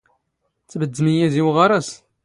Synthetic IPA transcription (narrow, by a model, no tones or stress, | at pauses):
t͡sːbəd̪ːməjæðiwʁaɾˤæs